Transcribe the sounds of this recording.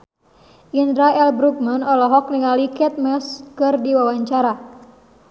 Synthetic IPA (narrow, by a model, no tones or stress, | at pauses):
ʔindɾaɛlbɾuk̚manɔlɔɦɔk̚niŋalikɛt̪̚mɛskɨrdiwawaɲt͡ʃaɾa